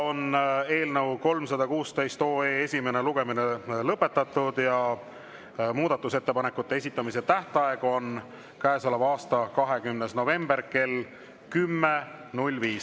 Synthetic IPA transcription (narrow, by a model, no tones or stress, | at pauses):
o̞ne̞ːlnɤwko̞lmsɑd̪̥ɑkuːst̪e̞jst̪oːeːesʲime̞ne̞luɡ̥e̞mine̞lɤpːe̞t̪ːˑɑt̪ːˑud̪̥jɑ | muːd̪̥ɑt̪ːˑuse̞t̪ːe̞pɑne̞kːˑut̪ːe̞e̞sit̪ːˑɑmiset̪æht̪ɑeɡ̥o̞n | kæesɑlɑvɑːst̪ɑkɑɦe̞kymnesno̞ve̞mb̥e̞rke̞l | kymːe̞nulʲviːs